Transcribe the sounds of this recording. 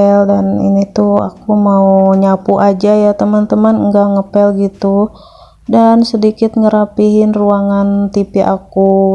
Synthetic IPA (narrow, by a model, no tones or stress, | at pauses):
ɛldanḭnit̪ua̰kumauɲapuʔad͡ʒajat̪əmant̪əmanŋɡaŋəpɛlɡit̪u | dansədikɪt̪̚ŋəɾapiɦɪnruaŋant̪ipiʔa̰ku